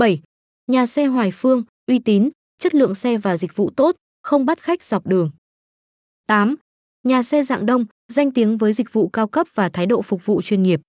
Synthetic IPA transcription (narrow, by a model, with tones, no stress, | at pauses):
ɓə˧˩j | ɲaː˨˩sɛ˧ɦwaː˨˩jfɨ˧əŋ | ʔwi˧t̪i˨˦n | t͡ɕə˦˥t̚lɨ̰˧˨əŋsɛ˧vaː˨˩zï˨˩k̟̚vṵ˧˨t̪o˦˥t̚ | xə˧wŋ͡mɓa˦˥t̚xa˦˥k̟̚z̥a˨˩wk͡p̚ɗɨ˨˩əŋ | t̪aː˨˦m | ɲaː˨˩sɛ˧za̰ː˧˨ŋɗə˧wŋ͡m | za˧jŋ̟t̪i˨˦əŋvəː˨˦jzï˨˩k̟̚vṵ˧˨kaː˧wkə˦˥p̚v̥aː˨˩t̪ʰaː˨˦jɗo̰˧˨fʊ˨˩k̚vṵ˧˨t͡ɕwi˧ənŋi˨˩əp̚